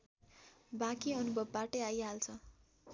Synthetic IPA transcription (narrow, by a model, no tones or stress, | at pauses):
bakiʌnubʱʌbːaʈʌajɦalt͡sʰʌ